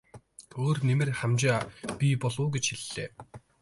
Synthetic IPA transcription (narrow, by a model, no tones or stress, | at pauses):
oːrnemɘ̆rχamt͡ɕaːpʲipɔɮʊːɡet͡ɕxiɮːḛː